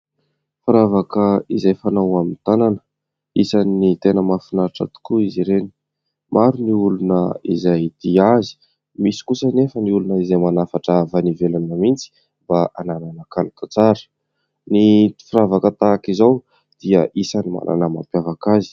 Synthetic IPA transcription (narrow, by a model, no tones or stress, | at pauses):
fiɾavakəizajfanawamint̪ananə̥ | isannit̪enəmafinaɾiʈ͡ʂə̰t̪u̥kuiziɾeni̥ | mʔaɾuniulunəizajd̪̥iazi̥ | misi̥kusənefəniulunəizajmanafaʈ͡ʂaavanivelanəmint͡si̥ | mbaʔanananəkaluk̪at͡saɾə̥ | nifiɾavakət̪akizaw | d̪̥iəʔisanima̰ɾʔa̰nəma̰mpjavakazi̥